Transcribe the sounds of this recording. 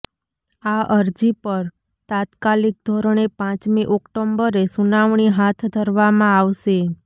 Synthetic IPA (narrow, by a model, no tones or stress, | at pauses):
aʔəɾd͡ʒipəɾ | t̪ãt̪kalik̚d̪ʱɔɾəɳ̃epãt͡ʃmiʔɔkʈombəɾesunaʋɳiɦat̪ʰd̪ʱəɾʋamãaʋʃe